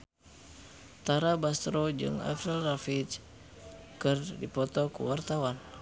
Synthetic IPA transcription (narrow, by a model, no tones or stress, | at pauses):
t̪aɾabast̪ɾod͡ʒɨ̰ŋa̰fɾɛlrafit͡ʃ | kɨrdipɔt̪ɔkṵwart̪awan